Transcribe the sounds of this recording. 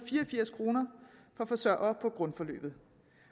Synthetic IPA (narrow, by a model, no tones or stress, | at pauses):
fiːɐfiɐ̰skʰʁo̝ːnɐfɒ̽fɒ̽sɶɐ̰ɐːpʰɒ̽ɡ̥ʁɔ̽nfɒ̽lø̰ːb̥ð̩ˠ